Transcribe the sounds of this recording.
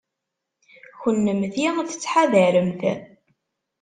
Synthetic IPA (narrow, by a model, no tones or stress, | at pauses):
çənːəmθiθə̥t͡sːħaðəɾəmθæ̰